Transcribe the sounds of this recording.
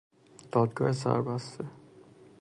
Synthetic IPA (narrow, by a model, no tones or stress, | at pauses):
d̪̥ɔd̪ɡɔɛsa̰ɹbasːɛ